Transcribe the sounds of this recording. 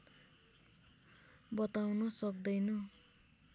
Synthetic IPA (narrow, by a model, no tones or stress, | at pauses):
bʌt̪awnʌsʌk̚d̪ʌjnʌ